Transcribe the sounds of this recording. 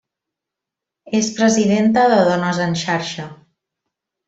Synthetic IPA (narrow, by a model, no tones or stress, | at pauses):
espɾəziðent̪əðəðonəzənʃaɾʃə